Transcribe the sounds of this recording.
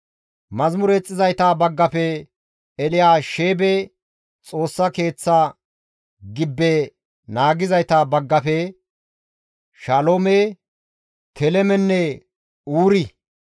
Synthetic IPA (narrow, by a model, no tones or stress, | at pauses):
mɐzmʊɾɛt͡sʼːɪzɐjt̪ɐbɐɡːɐfɛ | ɛlɪjaːʃeːbɛ | t͡sʼo̞ːsːɐke̞ːt͡sːa | ɡɪbːɛ | naːɡɪzɐjt̪ɐbɐɡːɐpɛ | ʃaloːme | t̪ʰɛlɛmɛnːɛ | uːɾɪ